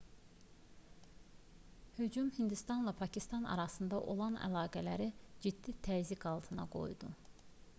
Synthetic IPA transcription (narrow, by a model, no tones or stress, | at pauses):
hyd͡ʒumhind̪ist̪ɑnlˠɑpʰɑcʰist̪ɑnɑ̰ɾɑsɯnd̪ɑʔo̞̰lˠɑnæ̰lˠɑːɡælæɾid͡ʒid̪ːit̪ʰæzikʰɑlˠt̪ʰɯnɑ̰ɡo̞̰jd̪u